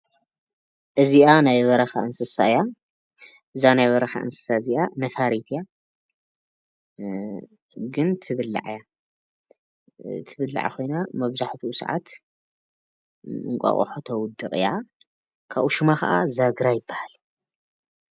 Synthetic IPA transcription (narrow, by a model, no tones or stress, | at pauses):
ʔɨziʔanajβɐɾɐxaʔɨnsɨsaɨja | ʔɨzanajβɐɾɐxa̰ʔɨ̰nsɨ̥saziʔanɐfaɾit̪ʰja | ɡɨnt̪ʰɨβɨlːa̰ʕja | t̪ʰɨβɨlːa̰ʕa̰xʰo̞jnamɐβzaħt̪ʰusɐ̰ʕa̰t̪ | ɨŋkʷʼa̰χʼo̰ħot̪ʰɐwʊd̪ːɨɣʼɨ̰ja | kʰaβʔuʃɨmaxɐʔazaɡɾajɪbːahal